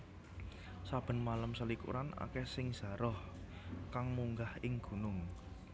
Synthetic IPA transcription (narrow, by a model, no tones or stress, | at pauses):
sab̥ə̤nmaləmsəlikṵɾana̰kɛsɪŋz̥ä̤ɾɔh | kaŋmuŋɡahɪŋɡ̥ṳnʊŋ